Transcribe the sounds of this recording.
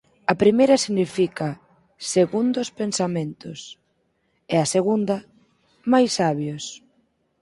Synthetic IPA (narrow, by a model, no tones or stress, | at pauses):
ɐpɾimejɾɐsiɣnifika | seɣund̪ʊspensamẽnt̪ʊs | ɛaseɣund̪ɐ | majsːaβjos